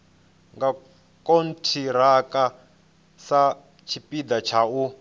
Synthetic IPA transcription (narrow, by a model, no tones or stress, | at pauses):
ŋɡa | kʼon̩tʰiɾakʼa | sa | t͡ʃʰipid̪at͡ʃʰau